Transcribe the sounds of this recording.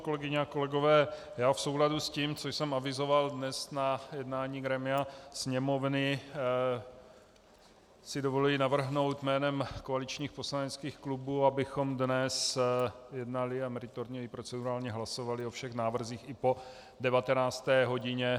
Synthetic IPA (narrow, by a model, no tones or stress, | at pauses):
ko̞lɛɡɪɲɛako̞lɛɡo̞vɛː | jaːfso̞wladusciːmt͡soʃsɛmavɪzo̞valdnɛsnajɛdnaːɲiːɡɾɛmɪasɲɛmo̞vnɪ | sɪdovoluinavr̩ɦno̞wt̪mɛːnɛmkoalɪt͡ʃɲiːxpo̞slanɛt͡skiːxklubuːabɪxo̞mdnɛs | jɛdnalɪamɛɾɪt̪oɾɲɛipɾo̞t͡sɛduɾaːlɲɛɦlaso̞valɪo̞fʃɛxnaːvr̩ziːxɪpo̞ | dɛvat̪ɛnaːt͡st̪ɛːɦo̞ɟɪɲɛ